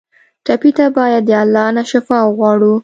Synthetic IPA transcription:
ʈapit̪abɑjad̪ːəalːɑnaʃɪfɑɣwɑɽu

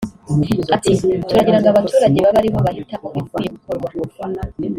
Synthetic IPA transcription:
atʰituɾaɟiɾaŋɡaβatʰuːɾaɟe̞βaβaɾiβo̞βahitaʔoβikujeβukʰoɾɡwa

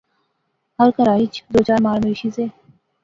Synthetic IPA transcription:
ɐɾkəɾaːit͡ʃd̪oːt͡ʃaːɾmaːɾmɪɾiʃiseː

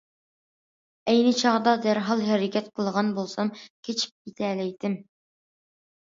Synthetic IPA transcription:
ɛjnɪt͡ʃʰɑʁd̪ɑd̪æɾɦɑlˠɦɛɾɪkʲɛt̪qʰəlˠʁɑnbolˠsɑmkʲʰet͡ʃʰi̥p̚kit̪ʰɛlɛjt̪ʰɪm

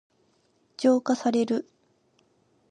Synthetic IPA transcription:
d͡ʑo̞ːkasaɾe̞ɾɯ̟

